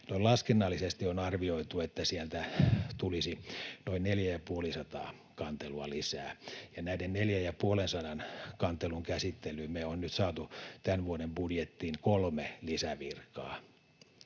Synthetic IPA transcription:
nolɑskenːɑlːisest̪ionɑrʋioit̪uet̪ːæsiɛlt̪æt̪ulisinoinneljæjɑpuolisɑt̪ɑ̰ː | kɑnt̪eluɑlisæːjɑnæidenneljæjɑpuolensɑdɑnkɑnt̪ːeluŋkæsit̪ːelymeonnyt̪sɑːt̪ut̪ænʋuodembudjet̪ːiːŋkolmelisæʋirkːˑɑ̰ː

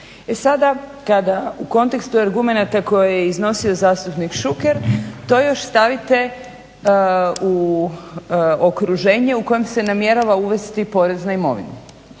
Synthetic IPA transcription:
e̞sad̪akad̪auko̞nt̪e̞kst̪uaɾɡume̞nat̪ako̞jejeizno̞sio̞zaːst̪upnikʃuke̞ɾt̪o̞jo̞ʃst̪aʋit̪e̞ | u | okɾuʒe̞ːɲe̞uko̞jemse̞namje̞ɾaʋauʋe̞st̪ipo̞ɾe̞znaimo̞̰ʋḭne

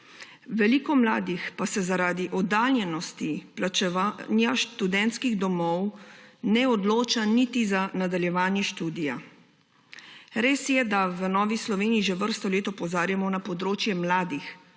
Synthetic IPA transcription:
ʋɛliːkɔmlaːd̪ixpasɛzaɾaːd̪iʔɔd̪aːljɛnɔst̪iplat͡ʃɛʋanjaʃt̪ud̪ɛnt̪skiɣd̪ɔmɔwnɛɔd̪loːt͡ʃanit̪izanad̪aljɛʋaːnjɛʃt̪uːd̪ija | ɾeːsjɛd̪aʋənɔːʋislɔʋeːniiʒeʋəɾst̪ɔleːt̪ɔpɔzaːɾjamɔnapɔd̪ɾoːt͡ʃjɛmlaːd̪ix

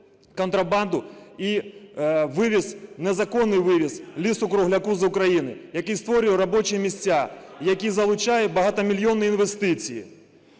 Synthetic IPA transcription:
kɔnt̪ɾɐband̪ʊi | ʋɪʋʲisnɛzɐkɔnːɨjʋɪʋʲislʲisʊkɾʊɦlʲɐkuzɐʊkɾɐjinɪ̰jɐkist̪ʋɔɾʲɪjɛɾɐbɔt͡ʃɪjɛmʲisʲt͡sʲːajɐkʲizɐlˠʊt͡ʃajɛbɐɦat̪ɐmʲilʲjɔnːɨjinʋɛst̪ɪt͡sʲijḭ

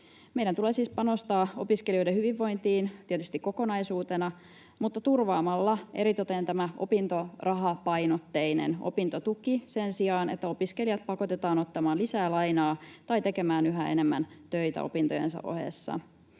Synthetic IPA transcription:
mejɾænt̪uleːsiːspɑno̞st̪ɑːo̞̰piskelio̞jdehyʋiʋːo̞jnt̪iːnt̪iet̪yst̪ikːo̞ko̞nɑjsuːt̪enɑ | mut̪ːɑt̪urʋɑːmɑlːɑʔe̞̰ɾit̪ot̪ent̪æmæʔo̞̰pint̪o̞rʔɑɦɑpɑjnot̪ːe̞inḛno̰pint̪ot̪ukise̞nsiɑːne̞̰t̪ːæopiske̞lijɑt̪̚pɑko̞t̪et̪ɑːno̞t̪ːɑmɑːnlisæːlɑjnɑːt̪ɑjt̪e̞ke̞mæːnyɦæe̞̰ne̞mːæ̰nt̪øjt̪æ̰o̞̰pint̪ojensɑ̰ʔo̞̰hḛsːɑ̰

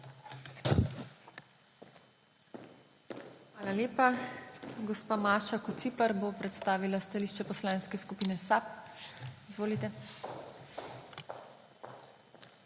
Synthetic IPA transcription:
xʋaːlaleːpa | ɡɔspaːmaːʃakut̪siplaɾbopɾɛt̪st̪aːʋilast̪aliʃt͡ʃɛpɔslaːnskɛskupiːnɛsap̚ | izʋoːlit̪ɛ

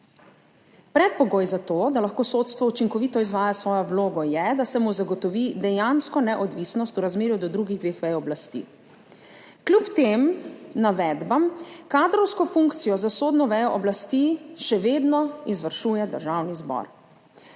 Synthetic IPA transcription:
pɾɛt̪̚pɔɡoːjzat̪oːd̪alaxkoːsot̪st̪ʋɔut͡ʃiŋkɔʋiːt̪ɔizʋaːjasʋɔːjɔwloːɡɔjɛd̪asɛmuzaɡɔt̪ɔʋid̪ɛjanskɔnɛʔɔd̪ʋiːsnɔst̪uɾazmeːɾjud̪ɔd̪ɾuɡiɣd̪ʋeːxʋɛjɔɔblast̪ḭː | klʲupt̪emnaʋɛd̪bamkaːd̪ɾɔwskɔfuŋkt̪sijɔzasoːd̪nɔʋɛjɔʔɔblast̪iʃɛʋeːd̪nɔizʋəɾʃuːjɛd̪ə̰ɾʒawnizbɔ̰ɾ

